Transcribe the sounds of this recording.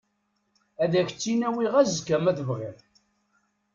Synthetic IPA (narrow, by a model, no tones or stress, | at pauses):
æðæçət͡sːinæwiʁæzkæmæðəvʁiɾ